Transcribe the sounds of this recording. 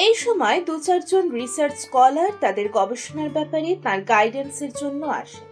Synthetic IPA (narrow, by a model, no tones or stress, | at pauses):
ejʃɔmɔed̪ut͡ɕaɾd͡ʑonɾisaɾt͡ɕkɔlaɾt̪ad̪eɾɡɔbeʃonaɾbɛpaɾet̪ãɾɡajɖenseɾd͡ʑonːoa̰ʃ